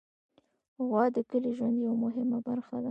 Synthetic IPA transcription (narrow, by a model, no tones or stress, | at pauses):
ɣwɑd̪əkəliʒwand̪jawamʊɦɪmabaɾxad̪a